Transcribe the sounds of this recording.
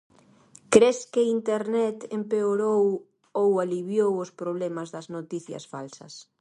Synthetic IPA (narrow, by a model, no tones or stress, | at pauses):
kɾeskɪint̪eɾnɛt̪empeoɾow | owaliβjowʊspɾoβ̞lɛmɐzðɐznot̪iθjɐ̰sfa̰lsɐ̰s